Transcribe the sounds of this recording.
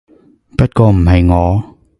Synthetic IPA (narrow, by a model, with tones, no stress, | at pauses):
pɐ˥t̚kɔː˧m̩˨˩ɦɐ˨jŋɔː˨˧